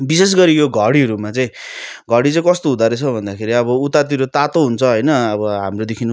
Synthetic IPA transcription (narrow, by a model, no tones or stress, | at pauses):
bises̬ɡʌɾijoɡʱʌɽiɦʌɾumat͡saĩ | ɡʱʌɽit͡saĩkʌst̪oɦud̪aɾet͡sʰʌbʱʌnd̪akʰeɾiʌβʌut̪at̪iɾot̪at̪oɦunt͡sʰʌɦʌjnʌːβʌɦamrod̪ekʰin